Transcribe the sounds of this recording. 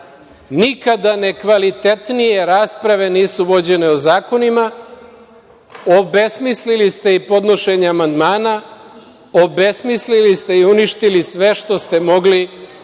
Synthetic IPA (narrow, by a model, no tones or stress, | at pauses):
nikad̪ane̞kʋalit̪e̞t̪nije̞ɾaːspɾaʋe̞niːsuʋo̞d͡ʑe̞ne̞ozaːko̞nima | obe̞smislilist̪e̞ipo̞d̪no̞ʃe̞ɲeamand̪maːna | o̞be̞smislilist̪e̞iuniʃt̪ilisʋe̞ʃt̪o̞st̪e̞mo̞ɡli